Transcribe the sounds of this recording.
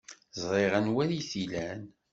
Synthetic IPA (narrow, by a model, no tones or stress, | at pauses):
zˤɾˤeʁænwæɾiθilæn